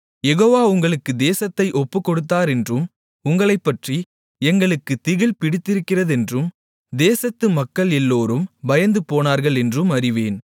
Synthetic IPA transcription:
jɛɣoːʋaːʊŋɡɐɭɯkːɯd̪eːsɐt̪ːɐɪʔɔpːɯkːɔɽɯt̪̬ːaːɾɛndrɯm | ʊŋɡɐɭɐɪpːɐʈri | ɛŋɡɐɭɯkːɯt̪ɪɣɪlpɪɽɪt̪ːɪɾɯkːɪrɐðɛndrɯm | d̪eːsɐt̪ːɯmɐkːɐɭɛlːoːɾɯmbɐjɐnd̪ɯpoːnaːɾɣɐɭɛndrɯmɐrɪʋeːn

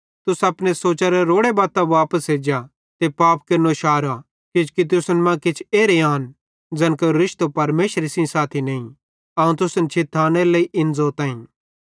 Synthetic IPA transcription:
t̪ʊsɐpɽesoːt͡ʃaɾeɾoːɽebaːt̪aʋaːpəsɦeːd͡ʒa | t̪epaːpkɐɾnoʃaːɾa | kɪt͡ʃkit̪̬ʊsənmãkɪt͡ʃʰeːɾeaːn | d͡ʒɐnkoɾɪʃt̪opɐɾmeːʃəɾesĩsaːt̪ʰineːĩ | ɐũt̪ʊsənt͡ʃʰɪt̪ʰːaːneɾlɐiʔɪnd͡zoːɾt̪ãːĩ

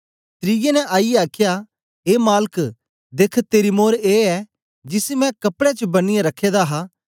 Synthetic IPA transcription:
t̪ɾijenɛ̃ʔaːiaːkʰja | eːmaːlk | d̪eːkʰt̪eːɾimoːɾeːɛ | d͡ʒɪsimɛ̃kɐpɽet͡ʃbɐnɪjãɾɐkʰːeːd̪aɦaː

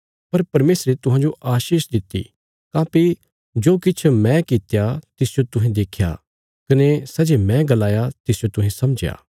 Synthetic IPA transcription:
pɐɾpɐɾmeːsɾet̪ʊɦãd͡ʒoʔaːʃiːʃd̪ɪt̪ːḭ | kãːpi | d͡ʒoːkɪt͡ʃʰmɛ̃kɪt̪jat̪ɪsd͡ʒot̪ʊɦẽd̪eːkʰja̰ | kɐnesɐd͡ʒemɛ̃ɡɐlaːjat̪ɪsd͡ʒot̪ʊɦẽsɐmd͡ʒja̰ː

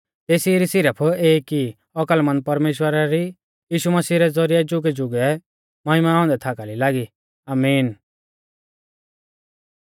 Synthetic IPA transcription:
t̪eːsiɾisɪɾəpʰeːki | ɔkəlmɐ̃n̚pɐɾmeːʃwəɾaɾi | jiːʃuməsiːɾɛd͡zɔɾiɛd͡ʒʊɡɛd͡ʒʊɡɛ | mɐɦɪmaɔ̃ːnd̪ɛt̪ʰakalilaːɡi | aːmiːn

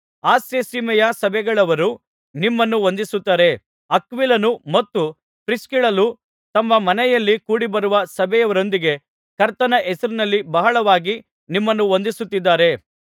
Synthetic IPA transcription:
aːsesimɐjɐsɐbɛɡɐɭɐʋɐɾu | nimːɐnːuond̪isut̪ːaːɾe̞ | ɐkʋilɐnumɐt̪ːu | pɾiskiɭɐlu | t̪ɐmːɐmɐnɛjɐlːikuːɽibɐɾuʋɐsɐbʱɛjɐʋɐɾo̞nd̪iɡe̞ | kɐɾt̪ɐnɐʔɛsɐɾinɐlːibɐɦɐɭɐʋaːɡi | nimːɐnːuond̪isut̪ːid̪ːaːɾe̞

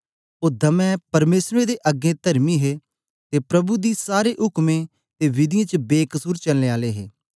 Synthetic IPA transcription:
od̪ə̃mɛ̃ːpɐɾmeːsɾẽːd̪eːʔəɡẽːt̪əɾmiːɦeː | t̪eːpɾɐbud̪iːsaːɾeːʔɦʊkmẽ | t̪eːʋɪd̪ɪjãːt͡ʃəbeːkəsuːɾt͡ʃɐlːeːaːleɦḛː

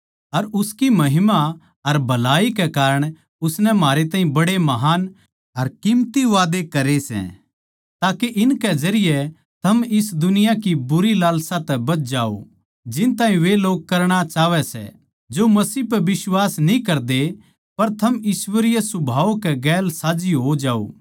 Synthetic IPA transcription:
ɐɾʊskimɐɦɪma | ɐɾbʱɐlaːikɛkaːɾəɽ̃ | ʊsnɛmɦaːɾet̪aːĩbɐɽemɐɦaːn | ɐɾkɪmt̪iʋaːd̪ekɐɾesɛ̰̃ | t̪aːkeʔɪnkɛd͡ʒɐɾɪjɛ | t̪ʰɐmɪsd̪ʊnɪjakibʊɾilaːlsat̪ɛbɐtd͡ʒaːo̰ | d͡ʒɪnt̪ãːɦĩʋeloːɡ̚kɐɾɽ̃at͡ʃaːʋɛsɛ̰ | d͡ʒoːmɐsiːɦp̬ɛbɪswaːsnĩkɐɾd̪e | pɐɾt̪ʰɐmjiːswəɾɪjesʊbʱaːokɛɡɛːlsaːd͡ʒiɦod͡ʒaːo̰ː

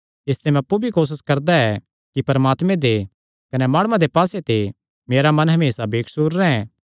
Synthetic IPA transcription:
ɪst̪emɛ̃ɐpːubʱikoːs̬ɪskɐɾd̪aɛ | kipɐɾmaːt̪mẽd̪e | kɐnɛmaːɽ̃ãd̪epaːset̪e | meːɾamɐ̃nɦɐmeːsabeːkʰsuɾːɛɛ̃ː

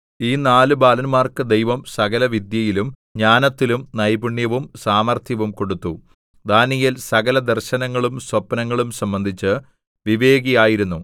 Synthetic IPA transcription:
iːnaːlɨbaːlɐnmaːrkɨd̪ejʋɐmsɐɣɐlɐʋid̪jɐjilum | ɲaːnɐt̪ːilumnɐjbuɳjɐʋumsaːmɐrt̪ʰjɐʋumko̞ɽut̪ːu | d̪aːnijilsɐɣɐlɐd̪ɐrɕɐnɐŋːɐɭumswɐpːɐnɐŋːɐɭumsɐmbɐnd̪ʱit͡ɕːɨ | ʋiʋe̞ːɡijaːjiɾunːu

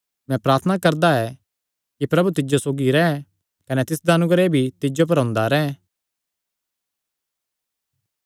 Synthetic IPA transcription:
mɛ̃pɾaːɾt̪ʰənakɐɾd̪aɛ | kipɾɐbut̪ɪd͡ʒosoːɡiɾɛɛ | kɐnɛt̪ɪsd̪aɐnʊɡɾebʱit̪ɪd͡ʒop̬ɐɾɦõːnd̪aɾɛ

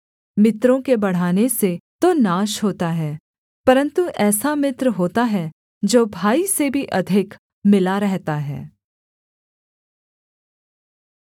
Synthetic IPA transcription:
mɪt̪ɾõkebɐɽ̤aːneset̪onaːʃɦoːt̪aɦɛː | pɐɾə̃nt̪uʔɛːsamɪt̪ɾɦoːt̪aɦɛ | d͡ʒoːbʱaːisebʱiʔɐd̪ʱɪk | mɪlaɾɛɦt̪aɦɛ̰ː

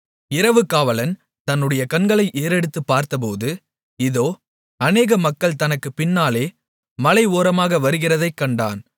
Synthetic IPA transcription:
ɪɾɐʋɯkːaːʋɐlɐn | t̪ɐnːɯɽɐjɐkɐnɡɐɭɐɪʔeːɾɛɽɯt̪ːɯpːaːɾt̪ɐp̬oːðɯ | ɪðoː | ɐneːɣɐmɐkːɐɭt̪ɐnɐkːɯpɪnːaːleː | mɐlɐɪʋoːɾɐmaːɣɐʋɐɾɯɣɪrɐðɐɪkːɐɳɖa̰ːn

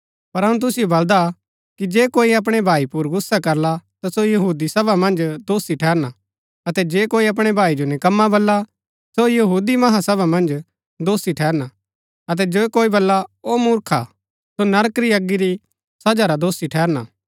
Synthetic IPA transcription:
pɐɾɦɐɽ̃ũt̪̬ʊsɪjobɐld̪a | kid͡ʒeːkoːiɐp̬ɽ̃ebʱaːipʊɾɡʊsːakɐɾlat̪asojɐɦuːd̪isɐbʱamɐ̃nd͡ʒd̪oːsiʈʰɛːɾna | ɐt̪ɛd͡ʒeːkoːiɐp̬ɽ̃ebʱaːid͡ʒonɛ̃kɐmːabɐlːa | sojɐɦuːd̪imɐɦasɐbamɐ̃nd͡ʒ | d̪oːsiʈʰɛːɾna | ɐt̪̬ɛd͡ʒoːekoːibɐlːaomʊɾkʰa̰ | sonɐɾəkɾiɐɡːiɾi | sɐd͡ʒaɾad̪oːsiʈʰɛːɾnaː

